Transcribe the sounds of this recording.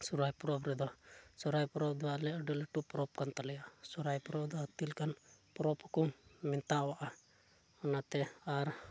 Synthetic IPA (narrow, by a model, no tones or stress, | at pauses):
sɔɾajpɔɾɔpɾɛd̪ɔsɔɾajpɔɾɔp̚d̪ɔwaʔlɛəɖɔlɛʈupɾɔp̚kant̪alɛjaʔsɔɾajpɔɾɔpd̪ɔɦət̪ilkanpɾɔpkɔmint̪awaʔa | ɔnat̪ɛaɾ